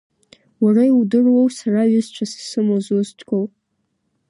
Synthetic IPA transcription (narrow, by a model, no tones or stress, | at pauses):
warajiwdɨrwowsaraɥʏzt͡ʃʷʰassɨmozuztʰʼkʷʰow